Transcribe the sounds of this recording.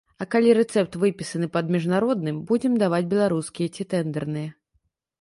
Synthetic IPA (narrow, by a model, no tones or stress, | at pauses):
ɐkalʲiɾɛt̪sɛp̚t̪vɨpʲisɐnɨpɐd̪mʲiʐnaɾɔd̪̚nɨmbud͡zʲɛmd̪avad͡zʲbʲɛlˠaɾuskʲijɐt͡sʲit̪ɛnd̪ɛrnɨjɐ